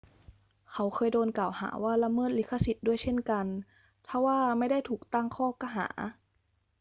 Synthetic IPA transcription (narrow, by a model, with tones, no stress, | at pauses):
kʰa˨˥wxʰɤː˧jdoː˧nkaː˨˩wha̰ː˩˦waː˥˩la˧˥mɤː˥˩t̪̚li˧˥˩kʰːa˧si˨˩t̪̚du˥˩əjt͡ɕʰe˥˩nka˧n | t̪ʰa˧˥˩waː˥˩ma˧˥˩jda˥˩jt̪ʰuː˨˩k̚t̪a˥˩ŋkʰɔː˥˩ka˧˩ɦa̰ː˩˦